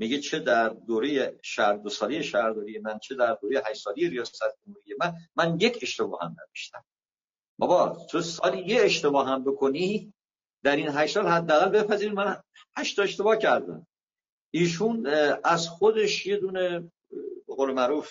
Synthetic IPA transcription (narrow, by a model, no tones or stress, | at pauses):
miɟet͡ʃʰe̞d̪æɾd̪oɾejeʃæɾd̪osɒːlejeʃæhɾd̪ɒːɾijemænt͡ʃʰe̞d̪æɾd̪oːɾejeɦæʃsɒːlejeɾijɒːsæt̪ʰd͡ʒomhuːɾije̞mænmænjecʰe̞ʃt̪e̞bɒ̰ːhæ̰mnæ̰veʃt̪æ̰m | bɒ̰bɒt̪ʰosɒːlijeeʃt̪e̞bɒːɦæmbe̞kʰo̞ni | d̪̥æɾinɦæʃsɒːlhæd̪ːææɣælbe̞pʰæziːɾimæn | hæʃt̪ʰɒe̞ʃt̪e̞bɒːhcʰæɾd̪æ̰m | iːʃ̬unæzxod̪e̞ʃje̞d̪uːne | beɣoːlemæɾuf